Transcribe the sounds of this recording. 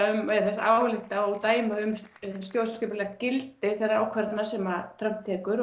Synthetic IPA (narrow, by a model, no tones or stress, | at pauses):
aʏmɛðθɛsa̰ːwlɪht̪aɔt̪aːjmaʏmst̪jowsscɪpʏlɛxt̪cɪlt̪ɪθɛrːaɾawkʰvɛɾt̪nasɛmat̪ʰɾœm̥t̪ʰːɛːkʏɾ